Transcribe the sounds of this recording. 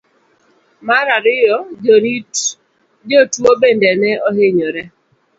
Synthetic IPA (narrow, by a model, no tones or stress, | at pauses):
maɾaɾɪjɔd͡ʒɔɾit | d͡ʒɔtwobendɛnɛoɦeɲoɾɛ